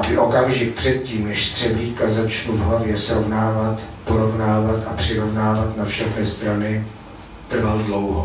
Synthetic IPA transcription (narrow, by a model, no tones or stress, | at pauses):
abɪʔo̞kamʒɪk̚pr̝̥ɛt̪̚ciːmnɛʃst̪r̝̥ɛvliːkazat͡ʃnuvɦlavjɛsɾo̞vnaːvat̪po̞ɾo̞vnaːvat̪ʔapr̝̥ɪɾo̞vnaːvat̪nafʃaxnɪst̪ɾanɪ | t̪r̩valdlo̞wɦo